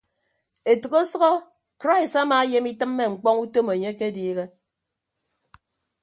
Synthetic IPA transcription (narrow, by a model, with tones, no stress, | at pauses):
e˨tɨ˨ɣo˦sɔ˦ɣɔ˦ | kɾa˦i˨sa˦maː˨˦je˦mi˦tɨ˦mːe˦ŋ͡m̩˨k͡pɔ˦ŋu˦to˦me˨ɲe˦ke˦diː˦ɣe˦